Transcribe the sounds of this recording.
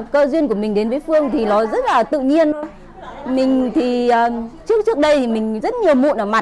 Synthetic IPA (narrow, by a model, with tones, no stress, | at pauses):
kəː˧zwi˧ənku˧˩əmï˨˩ŋ̟ɗe˨˦nvəː˨˦jfɨ˧əŋt̪ʰi˨˩lɔ˨˦zə˦˥t̚laː˨˩t̪ɨ̰˧˨ɲi˧ənɗɔ˨˦ | mï˨˩ŋ̟t̪ʰi˨˩əː˨˩t͡ɕɨ˦˥ək̚t͡ɕɨ˦˥ək̚ɗə˧jt̪ʰi˨˩mï˨˩ŋ̟zə˦˥t̚ɲi˨˩əwmṵ˧˨nʔəː˧˩ma˨˩t̚